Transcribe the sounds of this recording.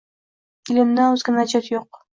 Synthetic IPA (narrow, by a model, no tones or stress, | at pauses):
ɪlɪmd̪aɵzɡʲɪnad͡ʒat̪joq̚